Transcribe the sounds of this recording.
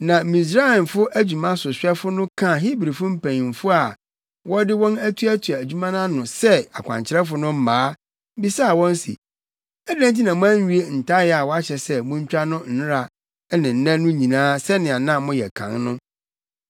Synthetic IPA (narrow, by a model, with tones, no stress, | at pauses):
nã˨mĩ˨s̬ɾa˦˨m˨fʊ˦ʔæ˦d͡ʑᶣu˨mã˦sʊ˨ɕᶣɛ˦fʊ˦nʊ̃˦kʰã˦˨ɦi˦bɾi˨fʊ̃˦m̩˦pʰæ̃˨nĩ˨m̩˨fʊ˦a˨ | wɔ˦dɪ˦wɔ̃˦næ˦tʰu˦æ˦tʰu˨a˨æ˨d͡ʑᶣu˦mã˦nã˦nʊ̃˨sɛ˦a˨kʷʰã̰˨ɲt͡ɕʰɪ˨˦ɾɛ˦fʊ˦nʊ̃˦m̩˦mãː˨˦ | bi˦sa˦˨wɔ̃˦n˦sḭ˨ | æ˦dæ̃˦n˦t̬i˦nã˨mʊ̃˦æ̃˦ɲ˦˨u˦e˦n̩˨tʰa˦jɛ˦˨a˨wɔ˦a˦ɕɛ˨sɛ˦mʊ̃˦ɲ̩˦t͡ɕᶣa˦nʊ̃˦n̩˦nʊ̃˦ɾa˨˦ | nɪ̃˨n̩˨nã˦nʊ̃˦ɲĩ˨nãː˦sɛ˦nɪ̃˨a˨nã˦˨mʊ̃˦jɛ˨kʰã̰˨ŋnʊ̃˦